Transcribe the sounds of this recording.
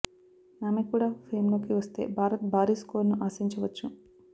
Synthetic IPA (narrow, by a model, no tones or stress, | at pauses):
naːmekuːɽaːpʰeːmlo̞ːkiʋɐst̪e̞̰ːbʱaːɾɐt̪̚bʱaːɾiskoːɾnuʔaːsiɲt͡ʃɐʋɐt͡ʃːu